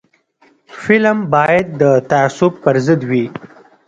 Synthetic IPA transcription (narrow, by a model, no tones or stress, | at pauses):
fɪlmbɑjad̪̚ːət̪aasʊb̚pəɾzəd̪wi